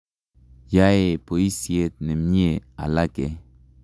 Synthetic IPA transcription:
ja˦e˨po˨i˦si˨e˦t̪̚ne˨mɲe˦a̰˨la˦ke˨

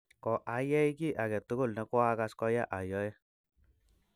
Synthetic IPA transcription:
kɔ˨ʔa˨˦jɛ˦i˦ki˦˨ʔa˨kɛ˨t̪ːʊ˦ɡʊ˦˨lnɛ˨˦kwa˦ka˦skɔ˦ja˦ʔa˨jɔ˦jɛ˦

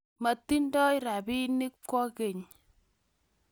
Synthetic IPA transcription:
ma˨t̪ːi˦ndɔ˦jɾa˨bi˦ni˦k̚kɔ˦ke˨ɲ

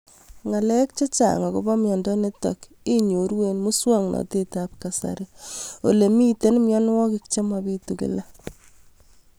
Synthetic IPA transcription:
ŋa˨lɛ˦k̚t͡ʃe˦t͡ʃa̰˨ŋɔ˨ko˦bɔ˦mjɔ˨ndɔ˦ne˦tɔ̰˨k | i˦ɲo˨ɾwe˨nmu˦swa˦ŋnʔɔ̰˨te˦tap̚ka˨sa̰˨ɾi˦o˨le˨mi˦te˦nmjɔ˦nwɔ˦kɪ˦kt͡ʃe˦ma˨bi˦tu˨kḭ˨la˦

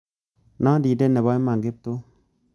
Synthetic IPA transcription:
na˦di˨de˦nːe˨ba˦i˦ma˨ŋɡe˦p̚to˦

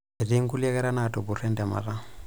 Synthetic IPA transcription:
e˨di˦ŋ̩˦ku˦lɛ˦kɛ˦ɾa˦natɔ˨bʊ˨rɛ˦ndɛ˨ma̰˨ra˦

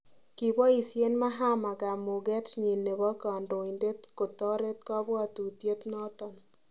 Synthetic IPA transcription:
ki˨bɔ˦i˨sje˦nma˦ɦa˦ma˨ɡa˨mʊ˨ɡɛ˦tɲe˨nːe˨bɔ˦ka˨ndo˨i˨nde˦tko˨t̪ɔ˦ɾe˦t̪̚kɔ˦bwa˦t̪u˨tje˦t̪nɔ˦t̪ɔ˨n

